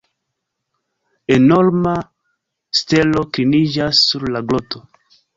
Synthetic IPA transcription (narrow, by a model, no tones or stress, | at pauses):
eno̞ɾma | ste̞lo̞klinid͡ʒasːuɾlaɡloto